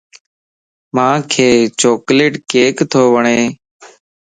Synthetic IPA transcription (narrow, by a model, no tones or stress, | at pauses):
mãːkʰeːt͡ʃoːkleːʈkeːkt̪ʰoːʋəɳeː